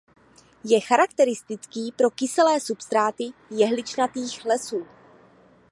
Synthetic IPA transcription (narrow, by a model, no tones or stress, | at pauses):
jɛxaɾakt̪ɛɾɪst̪ɪt͡skiːpɾo̞kɪsɛlɛːsupst̪ɾaːt̪ɪjɛɦlɪt͡ʃnat̪iːxlɛsuː